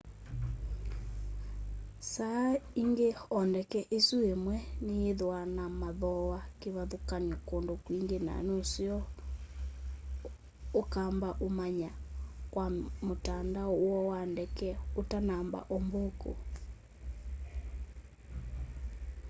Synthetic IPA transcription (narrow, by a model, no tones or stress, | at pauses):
saiŋɡeɔndɛkɛʔesuemwɛneeðwanamaðɔwakeβaðokaɲɔkondokwiŋɡena̰nosiɔ | okaːmbaʔomaɲakwamotandawɔwandɛkɛotanamba̰ʔomboko̰